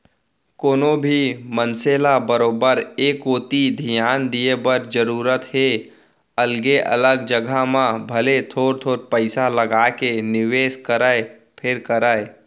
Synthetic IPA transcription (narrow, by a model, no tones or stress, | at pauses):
koːnobʱimənseːlabəɾoːbəɾeːkoːt̪id̪ʱijaːnd̪ijebəɾd͡ʒəɾuːɾət̪ɦe | əlɡeʔə̰ləɡd͡ʒəɡʱamãbʱəlet̪ʰoːɾt̪ʰoːɾpəɪsaləɡaːkenɪʋeːskəɾəe | pʰɪɾkəɾəe